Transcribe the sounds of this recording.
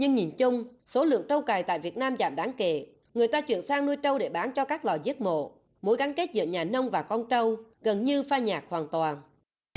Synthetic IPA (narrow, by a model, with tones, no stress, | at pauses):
ɲɨ˧ŋɲi˨˩nt͡ɕʊ˧ŋ͡mso˨˦lɨ̰˧˨əŋt͡ɕə˧wkaː˨˩jt̪a̰ː˧˨jvi˨˩ət̚naː˧mza̰ː˧˨˩mɗaː˨˦ŋkḛ˧˨ | ŋɨ˨˩əjt̪aː˧t͡ɕwḭ˧˨ənsaː˧ŋnu˧jt͡ɕə˧wɗe˧˩ɓaː˨˦nt͡ɕɔ˧kaː˦˥k̚lɔ˨˩zi˦˥ət̚mo̰˧˨ | mo˨˦jɣa˨˦ŋke˦˥t̚zɨ̰˧˨əɲaː˨˩nə˧wŋ͡mvaː˨˩kɔ˧nt͡ɕə˧wɣə˨˩nɲɨ˧faː˧ɲaː˨˩k̚hwaː˨˩nt̪waː˨˩n